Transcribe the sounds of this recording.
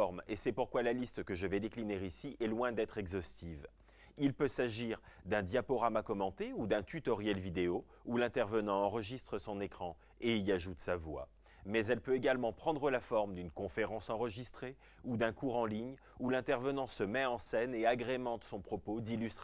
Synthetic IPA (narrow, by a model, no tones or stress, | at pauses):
ɔʁmesɛpuʁkwalalist̪kəʒəvɛd̪eklineʁisiʔɛlwɛ̃d̪ɛt̪χɛɡzɔst̪iv | ilpøsaʒiʁd̪ɛ̃d̪japɔʁamakɔmɑ̃t̪eud̪ɛ̃t̪yt̪ɔʁjɛlvid̪eo | ulɛ̃t̪ɛʁvənɑ̃ɑ̃ʁəʒist̪χəsɔ̃nekχɑ̃ | eiaʒut̪savwa̰ | mɛzɛlpøeɡalmɑ̃pχɑ̃d̪ʁəlafɔʁmd̪ynkɔ̃feʁɑ̃sɑ̃ʁəʒist̪χe | ud̪ɛ̃kuʁɑ̃liɲ | ulɛ̃t̪ɛʁvənɑ̃səmɛɑ̃sɛneaɡʁemɑ̃t̪sɔ̃pχɔpod̪ilyst̪